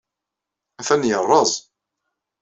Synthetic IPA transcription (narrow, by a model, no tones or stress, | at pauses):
æθænjərˤːɑzˤ